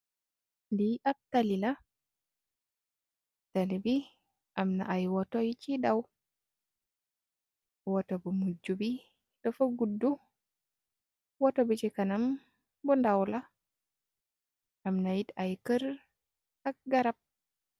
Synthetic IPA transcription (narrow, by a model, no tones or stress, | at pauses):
ndiʔab̚talila | talibi | ʔamna̰ʔajwɔtɔjt͡ʃidaw | wɔtɔbɔmud͡ʒubi | dɔfoɡudːu | wɔtɔbit͡ʃikanam | bɔndawla | ʔamnajitajkəɾ | ak̚ɡaɾab̚